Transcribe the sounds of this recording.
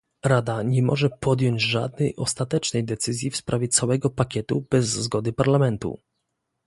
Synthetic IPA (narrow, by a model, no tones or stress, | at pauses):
ɾad̪aɲɛmɔ̰ʐɛpɔd̪jɔɲd͡ʑʐa̰d̪̚nɛjʔɔst̪at̪ɛt͡ʂnɛjd̪ɛt̪sɘzʲjifspɾʔavʲjɛt̪sawɛɡɔpakʲɛt̪ub̥ɛzːɡɔd̪ɘpaɾlamɛnt̪ṵ